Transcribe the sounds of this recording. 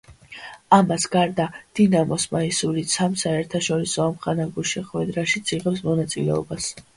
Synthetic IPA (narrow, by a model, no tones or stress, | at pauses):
amasɡ̥aɾd̪ad̪̥inamɔsmaisuɾisʰamsaɛɾt̪ʰaʃɔɾisɔamχanaɡuʃɛχwɛd̪ɾaʃit̪sʰiʁɛpsmɔnat̪sʼilɛ̰ɔ̰bas